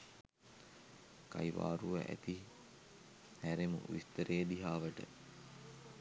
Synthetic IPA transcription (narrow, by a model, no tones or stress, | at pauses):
kajʋa̰ːɾuʋəʔæ̰t̪i | hæɾemṵʋḭst̪əɾejd̪iɦaːʋəʈə̰